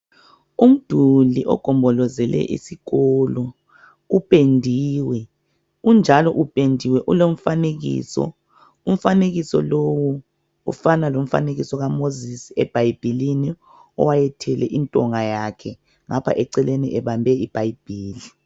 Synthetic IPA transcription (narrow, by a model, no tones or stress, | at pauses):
um̩d̥ʱuliʔɔ̰ɡ̥ʱɔmbʱɔlɔzɛlɛ̰ʔḭsiɣɔlɔ | upʼendʱiwɛ | und͡ʒʱalɔʔupʼendʱiwɛʔulom̩faneɣḭːsɔ̰ | um̩faneɣisɔ̰lowu | ṵfanalom̩fa̰neɣisɔɣamozisiɛb̥ʱajib̥ʱilini | ɔ̰wajɛtʰɛlɛʔintʼɔŋajakʰɛ | ŋapʰa̰ʔɛǀɛleniʔɛβambʱɛib̥ʱajib̥ʱiːli